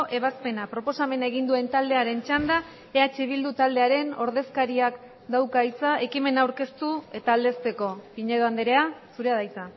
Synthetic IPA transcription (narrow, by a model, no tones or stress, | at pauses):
ʔe̞β̞aspe̞napɾo̞po̞same̞naeɣind̪ue̞nt̪ald̪e̞aɾe̞nt͡ʃand̪a | eat͡ʃiβ̞ild̪ut̪ald̪e̞aɾe̞no̞ɾðe̞skaɾiak | d̪awkajt͡saʔe̞kime̞nawɾke̞st̪ue̞t̪aːld̪e̞st̪e̞ko̞piɲe̞ðoand̪eɾe̞asuɾeaðajt͡sa